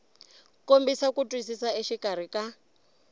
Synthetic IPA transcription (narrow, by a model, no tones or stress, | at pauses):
kombisakutʼwisisaiʃikʼaɾ̤ika